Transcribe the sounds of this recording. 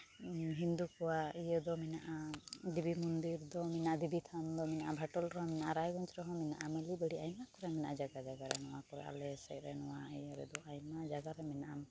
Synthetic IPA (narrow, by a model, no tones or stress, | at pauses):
ɦind̪ukɔwaijəd̪ɔmɛnaʔad̪ibʱimund̪iɾd̪ɔmɛnaʔad̪ibʱit̪ʰand̪ɔmɛnaʔabʱaʈɔlɾɔɦɔ̃mɛnaʔaɾajɡɔɲt͡ʃɾɔɦɔ̃mɛnaʔamɛlibəɽiajnmakɔɾɛmɛnaʔad͡ʒaɡad͡ʒaɡaɾɛnɔwakɔɾɛ̰ʔa̰lɛsɛ̰ʔɾɛnɔwaijəɾɛ̰d̪ɔajmad͡ʒaɡaɾɛmɛnaʔam